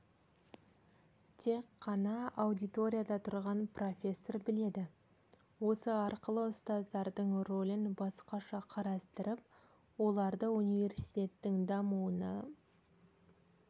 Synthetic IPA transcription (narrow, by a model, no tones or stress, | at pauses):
t̪ʰe̞qːɑnɑɑwd̪it̪o̞ɾʲijad̪ɑt̪ʰʊɾʁɑnpro̞fʲe̞sːo̞rbɪle̞d̪ɪ | wo̞səɑɾqəlˠəʊst̪ɑzd̪ɑɾd̪əɴro̞lʲɪnbɑsqɑʃɑqʰɑɾɑst̪əɾəp̚ | wo̞lˠɑɾd̪əunijve̞rsijt̪ʲe̞t̪ːɪŋd̪ɑmuənə